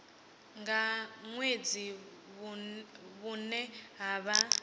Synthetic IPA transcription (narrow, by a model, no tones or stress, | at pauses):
ŋɡaŋwed͡zi | βunɛɦaːβa